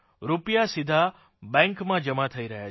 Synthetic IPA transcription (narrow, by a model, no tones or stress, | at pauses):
ɾupjasid̪ʱa | bɛ̃ŋkmãd͡ʒəmat̪ʰəiɾəɦja̰